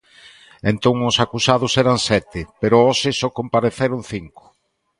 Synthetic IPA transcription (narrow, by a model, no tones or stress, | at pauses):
ent̪oŋʊsakusað̞ʊsɛɾansɛt̪ɪpeɾʊosɪsokompaɾeθeɾʊnθiŋkʊ̥